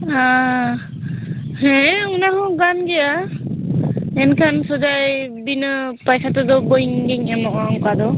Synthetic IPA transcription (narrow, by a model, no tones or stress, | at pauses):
a | hɛ̃unaɦɔ̃ɡanɡɛja | ɛnkʰansɔzajbinɯpajsatɔd̪ɔbɔjiŋɡiŋɛmɔʔaŋkad̪ɔ